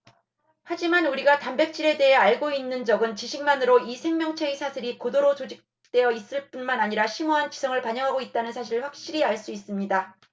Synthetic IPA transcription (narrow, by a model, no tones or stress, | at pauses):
had͡ʑimanuɾiɡatambe̞k̚t͡ɕ͈iɾe̞de̞ɦe̞aɭɡoinːɯnd͡ʑʌɡɯnt͡ɕiɕʰiŋmanɯɾoisʰe̞ŋmʲjʌŋt͡ɕʰeisʰasʰiɾikodoɾot͡ɕod͡ʑik̚ | t͈we̞jʌis͈ɯɭp͈unmanaɲiɾaɕʰimuɦant͡ɕisʰʌŋɯɭpaɲʌŋɦaɡoit̚t͈anɯnsʰaɕʰiɭɸwak̚ɕ͈iɾiaɭs͈uis͈ɯmɲida